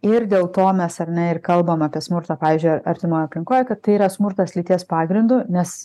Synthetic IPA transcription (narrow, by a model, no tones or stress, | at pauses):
ɪrd̪ʲeːlˠt̪oːmʲɛsɐrʲnʲɛɪrkɐlˠbɐmɑːpʲiɛsmʊɾt̪ɐːpɑːʋʲiːzʲd͡ʒʲʊɪɐɾʲt̪ʲɪmoːjʊɐpʲlʲɪŋkoːjɛkɐt̪t̪ːɐɪiːɾɐsmʊɾt̪ɐslʲit̪ʲiɛspɑːɡɾʲɪnd̪ʊnʲɛs